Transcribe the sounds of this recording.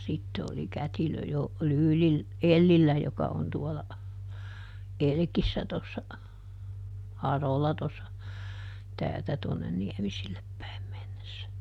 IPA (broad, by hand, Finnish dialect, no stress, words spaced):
sitːe oli kætilø jo lyːlil elːilːæ jokɑ on tuɔlɑ elkisːæ tosːɑ hɑrolɑ tosːɑ tæːltæ tuonːen niɛmisilːep pæim menːesːæ